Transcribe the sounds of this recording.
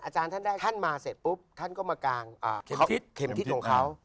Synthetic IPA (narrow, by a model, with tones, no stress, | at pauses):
ʔaː˧t͡ɕaː˧nt̪ʰa˥˩ndaː˥˩t̪ʰa˥˩nmaː˧se˨˩pu˦˥p̚t̪ʰa˥˩nkɔː˥˩maː˧kaː˧ŋʔa̰ː˧˩˦kʰe˨˩mt̪ʰi˦˥kʰɔ˨˦kʰa˦˥w